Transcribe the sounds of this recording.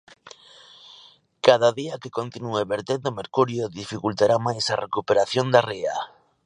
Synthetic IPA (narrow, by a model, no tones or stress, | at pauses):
kaðaðiɐkekont̪inueβeɾt̪end̪omeɾkuɾjoðifikult̪aɾamajsarekupeɾaθjond̪area